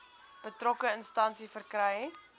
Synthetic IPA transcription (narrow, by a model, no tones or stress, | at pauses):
b̥ətrɔkəənstɐnsifərkrɛj